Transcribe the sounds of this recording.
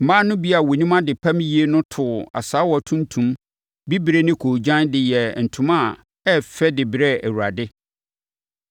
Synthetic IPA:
m̩˨mãː˦nʊ̃˦bi˦a˨wo˨nĩ˦mã˦dɪ˨pʰã˦m˦ji˦e˦nʊ̃˦tʰʊ˨a̰˨saː˨˦wɔ˨tʰũ˦ntʰũ˨˦m | bi˦bɾe˦nɪ̃˦kʰoː˨d͡ʑã˦ndɪ˨jɛ˨n̩˨tʰʊ̃˦mã˦˨ | ɛ˦fɛ˦dɪ˨bɾɛ˦æ˨wu˨a˨dɪ˦

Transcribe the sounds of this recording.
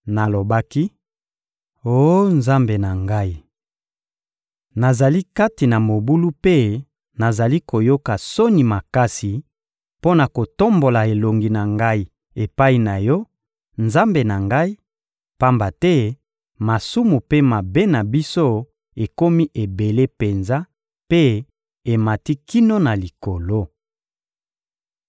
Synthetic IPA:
na˨lo˨ba˦ki˦ | o˦nza˦mbe˨na˨ŋɡa˦i˦ | na˨za˨li˦ka˦ti˨na˨mo˨bu˦lu˦pe˦ | na˨za˨li˦ko˨jo˦ka˨so˦ni˨ma˨ka˦si˨ | po˦na˨ko˨to˦mbo˨la˨e˨lo˨ŋɡi˨na˨ŋɡa˦i˨ | e˨pa˦i˨na˨jɔ˦ | nza˦mbe˨na˨ŋɡa˦i˦ | pa˦mba˨tɛ˦ | ma˨su˦mu˨pe˦ma˨be˦na˨bi˦so˦ | e˨ko˦mi˦ʔe˨be˨le˦pe˨nza˦ | pe˦ | e˨ma˨ti˦ki˦no˦na˨li˨ko˨lo˦

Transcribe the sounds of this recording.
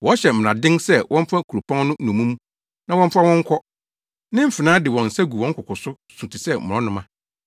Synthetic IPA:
wɔ˨˦ɕɛ˨m̩˨ɾã˨dɪ̃˦ŋsɛ˦wʔɔ̃˦m˦fa˦kʰu˨ɾo˨pʰɔ̃˦ŋ˦nʊ̃˦nũ˨mũ˦mũ˦ | nã˦wɔ̃˦m̩˦fa˦wɔ̃˦ŋ̩˦kʰɔ˦ | nɪ̃˦m̩˦˨fɪ˨nãː˦dɪ˨wɔ̃˨n̩˨sæ˦ɡu˨wɔ̃˦ŋ̩˦kʰʊ˨kʊ˨sʊ˦ | sũ˨tʰi˨sɛ˦mʊ̃˨ɔ̃˦nʊ̃˦mã˦

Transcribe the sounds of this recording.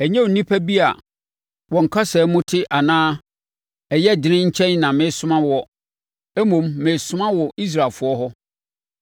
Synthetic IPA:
ɛ˨ɲɛ̃˦o˨˦nĩ˦pʰæ˦bi˦a̰˨ | wɔ̃˨ŋ̩˨kʰa˦sɛ˨˦mʊ̃˦tʰɪ˦ʔa˨nãː˦ | ɛ˨jɛ˦˨dɪ˨nɪ̃˦ɲ̩˦t͡ɕʰɛ̃˦nnã˨mɪ̃˨˦sʊ˦mã˦wɔ˦ | ɛ˦mõ˨mːɪ̃˨sʊ̃˦mã˦wɔ˨ʔi˦s̬ɾa˨lfʊ˨˦ɔ˦ɦɔ˦

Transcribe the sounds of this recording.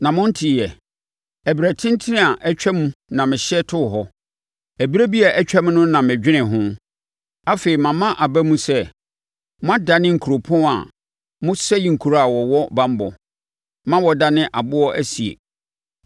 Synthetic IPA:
nã˨mʊ̃˦n̩˦tʰɪ˨jɛ˨ | æ˨bi˨ɾæ˨tʰɪ̃˦n˦tʰɪ˦nɪ̃˦a˨ʔɛ˦t͡ɕᶣɛ˦mũ˦nã˨mɪ̃˨ɕɛ˦tʰʊ˦˨ɦɔ˦ | æ˨bi˦ɾe˦bi˦a˨ʔɛ˦t͡ɕᶣɛ˦m̃˦nʊ̃˦nã˨mɪ̃˨d͡ʑᶣɪ˦nɪ̃˨ɦʊ̃˦ | a˦fe˨i˨mã˨mã˦ʔa˨bæ˦mũ˦sɛ˦ | mʊ̃˦a˦da˨nɪ̃˦ŋ̩˨kʰu˨ɾo˨pʰʊ̃˦a̰˨ | mʊ̃˦sɛ˦ji˨ŋ̩˨kʰu˨ɾa˦a˨wɔ˨wɔ˦bã˦m˦bɔ̰˨ | mã˦wɔ˨da˦nɪ̃˦ʔa˨bʊ˦ɔ˦ʔæ˦si˨ḛ˨

